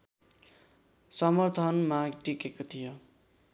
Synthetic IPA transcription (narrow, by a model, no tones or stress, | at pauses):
sʌmʌrt̪ʰʌnmaɡʈikekot̪ʰijo